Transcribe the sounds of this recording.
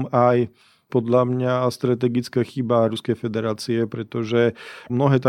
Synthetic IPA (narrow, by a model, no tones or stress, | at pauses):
maj | pɔd̪ʎamɲast̪ɾat̪̬ɛɡit͡skaxibaɾuskɛjfɛd̪ɛɾaːt͡siɛpɾɛt̪ɔʒɛmnɔɦɛːt̪a